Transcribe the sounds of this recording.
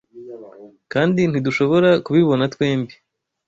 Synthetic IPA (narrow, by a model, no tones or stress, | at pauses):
kaːndin̥iduʃo̞βo̞ɾakuβiβo̞natweːmbi